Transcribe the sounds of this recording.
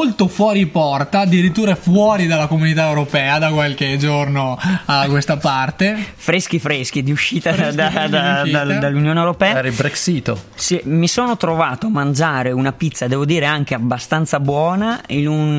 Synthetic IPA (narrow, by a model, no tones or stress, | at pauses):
molt̪ofwɔːɾipɔrt̪aːd̪iɾit̪ːuːɾafwɔːɾid̪alːakomunit̪aewɾopɛːad̪akwalk̟ed͡ʒornoakwest̪apart̪efɾesk̟ifɾesk̟id̪iuʃːiːt̪ad̪ad̪ad̪ad̪alːunjoːnewɾopɛːaɛɾilbɾɛksit̪ːsimisoːnot̪ɾovaːt̪oamːand͡ʒaːɾeunapit̪sːad̪ɛːvod̪iːɾeaŋk̟eabːast̪ant̪sabwɔːnainun